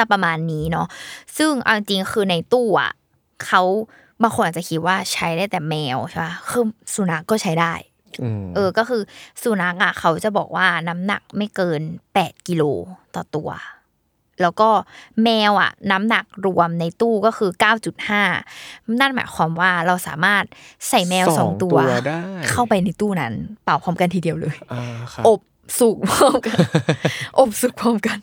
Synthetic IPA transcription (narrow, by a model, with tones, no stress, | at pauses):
a˥˩pɾa˧maː˧nːiː˦˥nɔ˦˥sɯ˥˩ŋʔa̰˧wʔi˧ŋt͡ɕi˧ŋ˥xʰɯː˧na˧jt̪uː˥˩ʔa̰˨˩ | kʰa˦˥w | baː˧ŋxʰo˧nʔaː˨˩t͡ɕa˨˩kʰi˦˥t̪̚waː˥˩t͡ɕʰa˦˥jdaː˥˩jt̪ɛː˨˩mɛː˧wʰa˥˩ba˦˥kɯː˧su˨˩˦na˦˥kːɔː˥˩t͡ɕʰa˦˥jdaː˥˩j | ʔɤː˧kɔː˥˩xɯː˧su˨˩˦na˦˥k̚ʔa˨˩kʰa˦˥wt͡ɕa˨˩bɔ̰ː˨˩k̚waː˥˩na˦˥mna̰˨˩k̚ma˥˩jkɤː˧npɛː˨˩t̪̚ki˧loː˧t̪ɔː˨˩t̪u˧ɐ | lɛː˦˥wkɔː˥˩mɛː˧wʔa̰˨˩na˦˥mna˨˩k̚ɾu˧əmna˧jt̪uː˥˩kɔː˥˩xʰɯː˧kaː˥˩wt͡ɕu˨˩t̪̚haː˥˩na˥˩nma̰ː˨˦jkʰwaː˧mwaː˥˩ɾa˧wsa̰ː˩˦maː˥˩t̪̚sa˨˩jmɛː˧wsɔ̰ː˨˩˦ŋt̪u˧ɐ˧daː˥˩kʰa˥˩wpa˧jna˧jt̪uː˥˩na˦˥npaː˨˩wkʰɔː˧˥mka˧nt̪ʰiː˨di˧˩ɐwlɤː˧jaʔo˨˩p̚ | su˨˩k̚pɔː˥˩mka˧ | ʔo˨˩p̚su˨˩k̚pɔː˥˩mka˧n